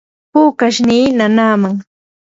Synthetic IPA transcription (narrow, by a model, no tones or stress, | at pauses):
puːkaʃniːnanaːmaŋ